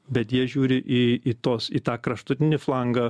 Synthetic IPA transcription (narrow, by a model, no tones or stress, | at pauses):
bʲɛt̪jiɛʒʲuːɾʲɪʔiːiːt̪oːsiːt̪ɑːkɾɐʃt̪ʊt̪ʲɪnʲɪflˠɐŋɡɐ